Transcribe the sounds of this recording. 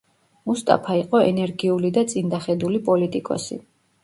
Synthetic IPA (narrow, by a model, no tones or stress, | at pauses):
must̪ʼa̰pʰaiqʼɔɛ̰nɛɾɡiulid̪at̪sʼind̪aχɛd̪ulipʼɔlit̪ʼikʼɔ̰sḭ